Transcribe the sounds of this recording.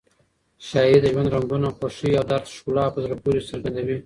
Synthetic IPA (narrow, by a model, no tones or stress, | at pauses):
ʃɑid̪əʒwand̪ɾaŋɡunaxoʃijɑwd̪aɾt̪ʃkulɑpəzɾapuɾisəɾɡand̪awi